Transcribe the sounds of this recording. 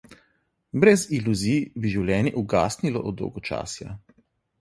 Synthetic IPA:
bɾɛziluzibiʒiwlʲjɛːnjɛʔuɡa̰ːst̪nilɔ̰ʔɔd̪ːɔ̰wɡɔt͡ʃa̰ːsja̰

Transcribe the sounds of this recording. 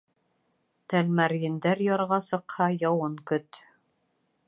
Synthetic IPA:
t̪ælmæɾjɘ̆nd̪æɾjɒɾʁɑsɤ̆qhɑjɑwɤŋkɵt̪

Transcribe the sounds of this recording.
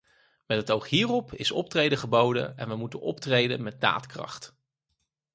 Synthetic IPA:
mɛtətowχɦiːrɔpʰɪsɔ̰p̚trejdəχəbowdə̰ɛ̰nʋəmutənɔptrejdə̰nmɛt̚da̰ːtkrɑ̰χt

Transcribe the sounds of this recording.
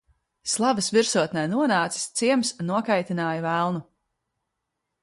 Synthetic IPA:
slˠavɐsviɾsuɔt̪nɛjnuɔnaːt̪si̥st̪siɛmsnuɔkajt̪inaːjɐvælˠnu

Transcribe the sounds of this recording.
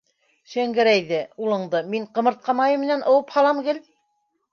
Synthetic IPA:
ʃæŋɡɘ̆ɾæjðɘulˠɤ̆ɴd̪ɤmiɴqɤ̆mɤ̆ɾt̪̚qɑmɑjɤmːɘ̆nænʔŏwɤphɑlˠɑmɡɘl

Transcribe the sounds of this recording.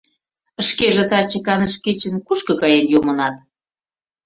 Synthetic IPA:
əʃkeʒĕt̪ɑt͡ɕə̆kɑnəʃket͡ɕə̆nkuʃkɤ̆kɑjenjomɤ̆nɑt̪

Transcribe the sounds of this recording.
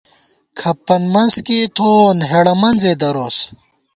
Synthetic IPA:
kʰɐpːɐnmɐnskit̪ʰoːnɦeɽɐmɐnzed̪ɐɾoːs

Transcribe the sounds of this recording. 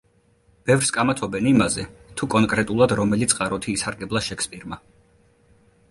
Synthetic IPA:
b̥ɛvɾskʼamat̪ʰɔbɛnimazɛt̪ʰukʼɔnkʼɾɛt̪ʼulˠad̪ɾɔmɛlit̪sʼqʼaɾɔt̪ʰiːsaɾɡɛblˠaʃɛkʰspʼiɾma

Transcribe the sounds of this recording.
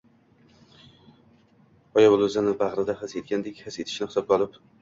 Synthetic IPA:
ɒjabʊlˠozanɪbaʁɾɪd̪ahɪset̪̚kʲand̪ekʲhɪset̪ʰɪ̥ʃnɪhɪ̥sɒp̚qʰɒlˠɪp

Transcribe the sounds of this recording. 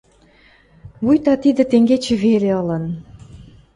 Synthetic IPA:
βujt̪ɑt̪id̪ə̆t̪eŋɡet͡ɕĕβeleɤ̆lə̆n

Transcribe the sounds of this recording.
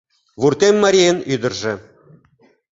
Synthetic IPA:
vurt̪ʲemʲːɑɾʲienyd̪ɤ̆rʒɘ̆

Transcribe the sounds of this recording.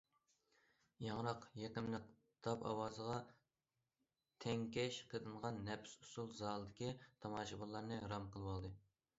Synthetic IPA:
jɑŋɾɑqjeqɪmlɪq | d̪̥ʰɑpɑ̰wɑːzəʁɑ | t̪ʰɛŋʲkʲɛʃqʰəd̪ɨnʁɑnːɛpsu̥sulˠzɑːlˠɨd̪ɪkʲit̪ʰɑmɑːʃɨbolːˠɑɾnɨɾɑmqʰəlˠwɑlˠd̪ɨ

